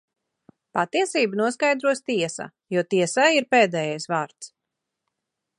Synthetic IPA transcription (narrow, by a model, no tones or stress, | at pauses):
pat̪iɛsiːbənuɔskajd̪ɾuɔst̪iɛsa̰juɔt̪iɛsajiɾpeːd̪ɛːjajsvaːɾt̪s